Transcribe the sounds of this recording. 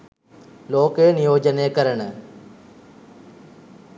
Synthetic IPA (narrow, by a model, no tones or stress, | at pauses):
loːkeːnɪjoːd͡ʒəneːkəɾəɳ